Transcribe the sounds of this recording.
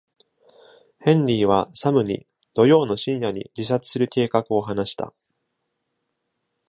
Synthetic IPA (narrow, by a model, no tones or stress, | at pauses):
hẽ̞nɾʲiːβ̞asamɯ̟ɲ̟ḭ | d̪̥o̞jo̞ːno̞ɕĩɰ̃jaɲ̟ḭd͡ʑis̬at͡sɨ̥sɨɾɯ̟ke̞ːkakɯ̟o̞ɦanaɕi̥t̪a̰